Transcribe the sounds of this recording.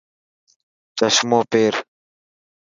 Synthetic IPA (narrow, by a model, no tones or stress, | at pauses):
t͡ʃəsmoːpeːɾ